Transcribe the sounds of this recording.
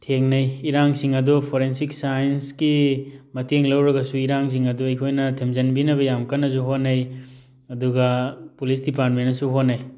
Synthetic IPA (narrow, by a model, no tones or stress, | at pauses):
tʰeŋnɐjiɾaŋsiŋɐdupʰoɾensiksajnskimɐteŋlɐwɾɐɡɐsuiɾaŋs̬iŋɐduɐjkʰojnɐtʰemzɐnbinɐβɐjamkɐnːɐzuɦonːɐj | ɐduɡɐpulisdipaɾt̚menɐsuɦonːɐj